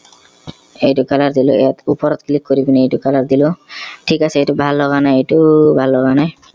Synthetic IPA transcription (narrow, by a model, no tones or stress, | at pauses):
ejtukalaɾd̪ilo̰ɛ̰jat̪upɔɾɔt̪klikːoɾibiniejtukalaɾd̪iloʈʰikaseejtubʱalːɔɡanajejtubʱalːɔɡanaj